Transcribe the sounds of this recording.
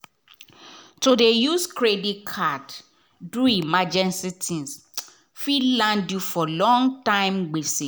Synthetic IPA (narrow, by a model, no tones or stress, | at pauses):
todejuskʰɹedikʰad | duimad͡ʒɛ̃nsitʰĩns | filãndjufɔlɔ̃ŋtãɪ̃mɡ͡besi